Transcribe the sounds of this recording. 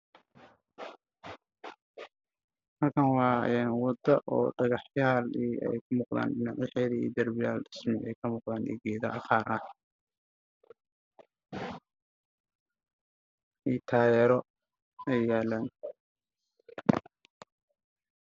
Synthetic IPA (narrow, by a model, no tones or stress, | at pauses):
hɐlkʰɐnwɑːʔɛnwɑd̪ɐʔɔ̰ːɖɐɣɑħjaːliɛ̰jkʰʊmʊːqða̰ːnɖɪnɑʕjɛħɛːðiḭːd̪ɐrbɪjaːlɖɪsmɪʔɛ̰jkʰɐmuːqðaːnɛ̰ːɡɛːðɐʔɐχɑːɾʔɐ | ʔiːt̪ʰaːjɛːɾɔ | ɛjjaːlaːn